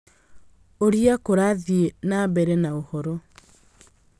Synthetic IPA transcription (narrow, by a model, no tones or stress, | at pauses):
oɾiakoɾaðjenabɛɾenaohɔɾo